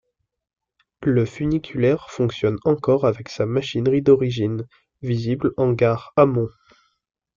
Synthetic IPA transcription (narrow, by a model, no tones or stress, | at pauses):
ləfynikʲʰylɛʁfɔ̃ksjɔnɑ̃kɔʁavɛksamaʃinʁid̪ɔʁiʒin | viziblɑ̃ɡaʁamɔ̃